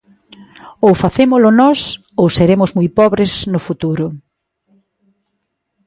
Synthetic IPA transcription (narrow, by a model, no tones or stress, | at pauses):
owfaθemʊlʊnɔs | owseɾemʊzmujpɔβɾɪznʊfut̪uɾʊ